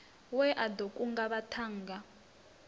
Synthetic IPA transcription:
wɛʔadokʼuŋɡaβatʰaːŋɡa

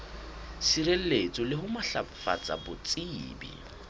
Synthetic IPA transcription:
siɾel̩let͡sʼɔlɪɦʊmaɬa̰fa̰t͡sʼa̰bʊt͡sʼibḭ

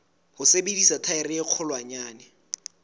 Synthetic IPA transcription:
hʊsebedisatʰaɪrɪɪq͡χʰʊlwaɲaːnɛ

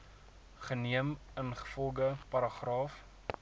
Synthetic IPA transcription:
χəniəmənχə̥fɔlˠɡəpɐɾɑχrɑːf

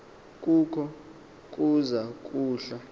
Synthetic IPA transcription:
k̬ʼukʰɔ | k̬ʼuzak̬ʼuːɬa

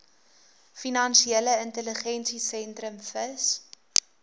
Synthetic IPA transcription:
finɐnʃieləəntələχɛnsisɛntrəmfəs

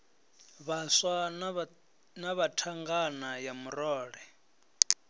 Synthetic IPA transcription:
βaswa | naβatʰaŋɡanajamuɾɔːɺɛ

